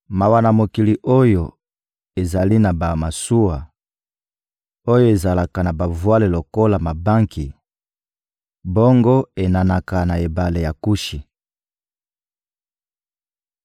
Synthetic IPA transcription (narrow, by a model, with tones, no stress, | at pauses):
ma˨wa˨na˨mo˨ki˨li˨ʔo˦jo˨ | e˨za˨li˦na˨ba˨ma˨su˦wa˨ | o˦jo˦e˨za˨la˨ka˨na˨ba˨vwa˦le˨lo˨ko˦la˨ma˨ba˦ŋki˨ | bo˦ŋɡo˦e˨na˨na˨ka˨na˨e˨ba˨le˨ja˨ku˦ʃi˨